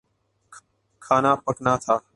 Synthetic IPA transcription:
kʰaːnaːpəknaːt̪ʰaː

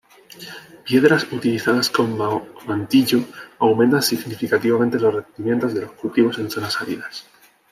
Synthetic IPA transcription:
pje̞ðɾasut̪iliθaðasko̞mamant̪iʎoawment̪ansiɣnifikat̪iβament̪e̞lo̞srend̪imje̞nt̪o̞zðe̞lo̞skult̪iβo̞se̞nθo̞nasaβḭðas

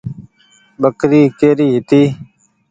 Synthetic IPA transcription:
bəkɾiːkeːɾiːɦit̪iː

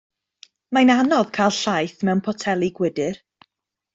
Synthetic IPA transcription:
majnanɔðkʰajlˠɬajθmɛwnpʰɔtʰɛlˠiɡwɪdɪr

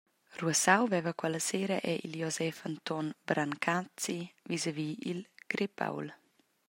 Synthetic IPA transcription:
ruəsawvɛvəkwɛləseːɾəʔɛʔiljɔzɛfant̪ɔnbɾʔaŋkʰat͡sivizəviːilɡ̥ɾepʰa̰wl

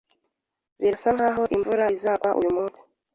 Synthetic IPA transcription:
ziɾasaŋhaːɦo̞ʔiɱvuɾaizaːɡwaʔṵjumuːnsi̥

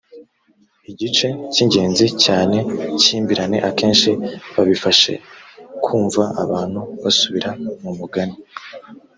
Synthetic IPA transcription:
iɟit͡ʃe̞ciɲɟe̞ːnzicaːne̞ciːmbiɾane̞ʔake̞ːnʃiβaβifaʃe̞̰kʰuːɱvaaβaːn̥huβasuβiɾamumuɡani

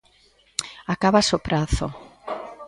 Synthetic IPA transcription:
akaβasopɾaθo

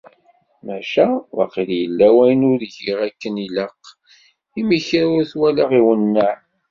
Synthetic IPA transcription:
mæʃæwa̰qiljəlːæwæjənʊɾʝiʁækːəniləq | imiçɾʊɾθwælæʁiwənːə

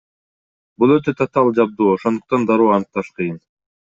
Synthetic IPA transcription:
bulˠøt̪øt̪ʰat̪ɑlˠd͡ʒɑb̚d̪uːoʃo̞nd̪uq̚t̪ɑnd̪ɑɾuːɑnɯq̚t̪ɑʃqʰɯjɯn

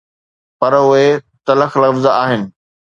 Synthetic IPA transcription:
pɐɾʊɦet̪ɐləxlɐfzaːɦɪnɪ̆

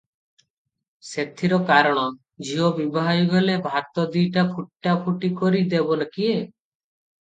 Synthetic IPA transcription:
set̪ʰiɾɔkaɾɔɽ̃ɔ | d͡ʒiɦobibʱaɦajuɡelebʱaɾt̪ɔd̪iʈapʰuʈːapʰuʈikɔɾid̪ebɔnakie

